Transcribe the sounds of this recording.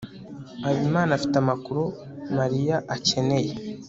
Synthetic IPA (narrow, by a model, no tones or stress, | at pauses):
aβimaːnafi̥tamakuɾo | maɾijaʔace̞ne̞je